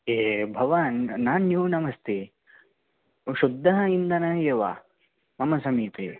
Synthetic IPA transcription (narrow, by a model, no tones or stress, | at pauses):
eːbʱɐʋanːaːnːjuːnɐmɐst̪ʰe | ʃud̪ʱːɐɦɐind̪ɐnɐjeʋa̰ | mɐmɐsɐmiːt̪ḛ